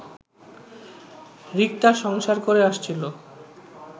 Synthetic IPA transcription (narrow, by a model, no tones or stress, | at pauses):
ɾik̚t̪aʃɔŋʃaɾkoɾeaʃt͡ɕʰilo